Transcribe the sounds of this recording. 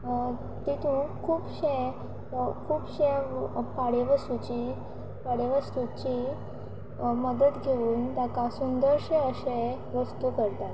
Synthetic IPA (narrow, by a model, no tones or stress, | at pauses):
t̪it̪ʰũkʰuːpɕe | kʰuːpɕẽpaɽeʋəst̪ut͡ɕi | paɽeʋəst̪ut͡ɕi | məd̪ət̪ɡʱeuːnt̪akãsund̪əɾɕẽəɕe | ʋəst̪ukəɾt̪at̪